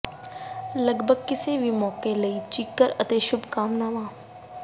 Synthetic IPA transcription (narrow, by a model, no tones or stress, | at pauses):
lɐɡbʱəɡ̚kɪseʋʱimɔːkelɐit͡ʃikːəɾɐt̪eːʃʊbkaːmnaːʋãː